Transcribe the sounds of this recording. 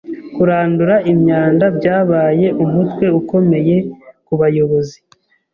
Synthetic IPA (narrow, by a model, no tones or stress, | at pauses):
kuɾaːnduɾaʔimɲaːndabɟaːβaːje̞ʔumutwe̞uko̞me̞je̞kuβajo̞βo̞zi